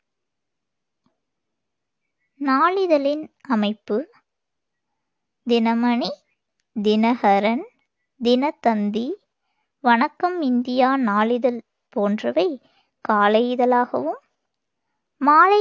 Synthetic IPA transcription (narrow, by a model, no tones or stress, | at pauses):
naːɭɪðɐlɪnɐmɐɪpːɯ | d̪ɪnɐmɐɳi | d̪ɪnɐhɐɾɐn | d̪ɪnɐt̪ɐnd̪i | ʋɐnɐkːɐmɪnd̪ɪjaːnaːlɪðɐl | poːndrɐʋɐɪ | kaːlɐjɪðɐlaːɣɐ̰ʋɯm | aːlɐ